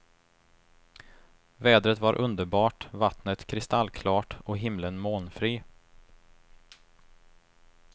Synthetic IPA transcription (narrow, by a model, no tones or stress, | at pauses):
vɛːd̪ɾət̪vaɾʔɵnd̪əɾbɑːʈvat̪nət̪kʰɾɪst̪alːkʰlɑːʈɔɦɪmlənmoːnfɾiː